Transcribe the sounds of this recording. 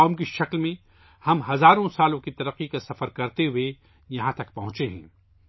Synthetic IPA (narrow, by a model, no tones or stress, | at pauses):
ɔːmkiʃɐklmẽ | hɐmɦɐzaːɾõsaːlõkit̪ɐɾəqːikasɐfəɾkɐɾt̪eɦʊe | jɐɦãt̪ɐkpɐɦʊ̃t͡ʃeɦɛ̰̃ː